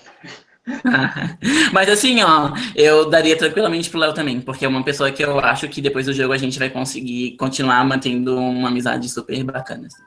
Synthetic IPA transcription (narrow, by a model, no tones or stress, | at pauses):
amɐzasĩɔewd̪aɾiɐt̪ɾɐ̃ŋkwilamẽnt͡ʃɪ̥pɾʊlɛwt̪ɐ̃mbẽj̃poɾkeɛũmɐpesoɐkɪewa̰ʃʊkɪd̪epojzd̪ʊʒoɡʊaʒẽnt͡ʃɪvajkõsɪɡikõnt͡ʃinuaɾmɐ̃nt̪ẽnd̪ʊ̃ũmɐamiza̰d͡ʒɪsupeɾbakɐ̰̃nɐs